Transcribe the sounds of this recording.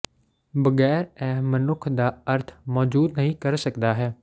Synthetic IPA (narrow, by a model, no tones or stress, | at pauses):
bəɡɛːɾɛːmənʊkʰd̪aːəɾt̪ʰmɔːd͡ʒuːd̪nəɦĩːkəɾsəkd̪aːɦɛː